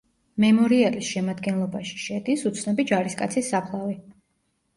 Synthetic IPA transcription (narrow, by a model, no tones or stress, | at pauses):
mɛmɔɾialisʃɛmad̪ɡɛnlˠɔbaʃi̥ʃɛd̪isut̪sʰnɔbid͡ʒaɾiskʼa̰t̪sʰisːapʰlˠavi